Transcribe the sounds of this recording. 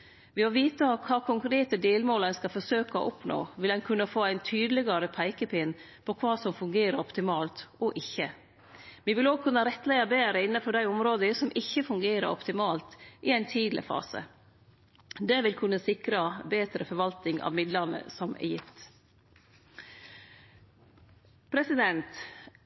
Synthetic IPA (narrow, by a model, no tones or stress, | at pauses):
ʋɪmɔʋiːt̪əkʰɑːkʰʊŋkɾeːt̪əd̪eːlmoːlənskɑfɔsøːkɑɔ̰ʔʊpno̰ːʋɪlɛnkʰʉnːəfoːæɪnt̪ʰyːd̪əlɪɡɑɾəpʰæɪkəpʰɪn | pʰɔkʰʋɑːsɔmfʉŋɡeːɾəɾɔpt̪ɪmɑːlt̪ɔʔɪçːə | ʋɪʋɪloːɡ̚kʰʉnːəɾɛt̪læɪəbeːɾəɪnːəpʰɔɖ̪æɪʊmɾoːd̪əsɔmʔɪçːəfʉŋɡeːɾə̰ɾɔ̰pt̪ɪmɑːlt̪ʔɪæɪnt̪ʰiːd̪lɪ̰fɑ̰ːsə̰ | d̪ɛʋɪlkʰʉnːəsɪkɾɑbeːt̪ɾəfɔɾʋɑlt̪ɪŋɑ̰ːʋmɪd̪ləɾnə̰sɔmʔɛ̰jɪft̪ | pʰɾɛsɪd̪ɛnt̪